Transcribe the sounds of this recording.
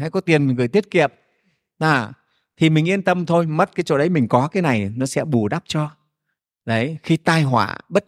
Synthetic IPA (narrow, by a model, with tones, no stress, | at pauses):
aː˧˩jkɔ˨˦t̪i˨˩ən˨˩ŋɣɨ˨˩əjt̪i˦˥ət̚kḭ˧˨əm̚ | aː˨˩ | t̪ʰi˨˩mï˨˩ŋ̟ʔi˧ənt̪ə˧mt̪ʰo˧jmə˦˥t̚kaː˨˦jt͡ɕo̰˧˨ɗə˨˦jmï˨˩ŋ̟kɔ˨˦kaː˨˦jna˨˩jnɔ˨˦sɛ̰˧˥ɓu˧˩ɗa˦˥p̚t͡ɕɔ˧ | ɗə˨˦jxi˧t̪aː˧jɦwa̰ː˧˩ɓə˦˥t̚